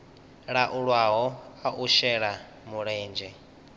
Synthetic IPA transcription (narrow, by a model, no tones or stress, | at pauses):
ɺaʔuɺwaɦɔaʔuʃɛɺa | muɺɛːnd͡ʒɛ